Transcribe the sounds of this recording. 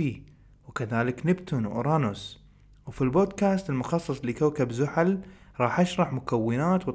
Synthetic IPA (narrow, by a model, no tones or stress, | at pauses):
iː | wkaðaːlɪknɪbt̪ʊnwʔʊ̰ɾˤɑːnʊs | wfilboːd̪kaːst̪ɪlmʊxɑsˤːɑsˤlikawkabzʊħalɾˤɑːħʔaʃɾˤɑħmʊkawːɪnaːt̪wɨt̪